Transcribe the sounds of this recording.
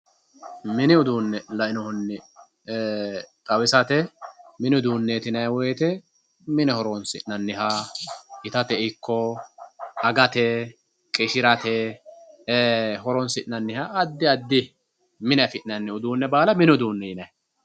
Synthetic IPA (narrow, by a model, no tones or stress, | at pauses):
mɪnɪʊd̪uːnːɛlɐʔɪnɔhʊnːɪ | t̪ʼɐwɪsɐt̪ɛmɪnɪʊd̪uːnːeːt̪ɪnɐjwɔjɛt̪ɛ | mɪnɛhɔɾɔnsɪʔnɐnːɪɦaːɪt̪ɐt̪ɛɪkːɔ | ɐɡɐt̪ɛ | kʼɪʃɪɾɐt̪ɛ | ɦɔɾɔnsɪʔnɐnːɪhaɐd̪ːɪɐd̪ːɪ | mɪnɐfɪʔnɐnːɪʊd̪uːnːɛbaːlɐmɪnʊd̪uːnːɛɪnɐj